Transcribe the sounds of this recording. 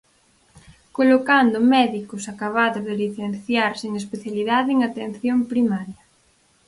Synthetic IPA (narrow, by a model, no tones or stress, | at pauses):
kolokand̪ʊmɛðikʊsakaβaðʊzðeliθen̟θjaɾseŋespeθjaliðaðɪeŋat̪en̟θjompɾimaɾjɐ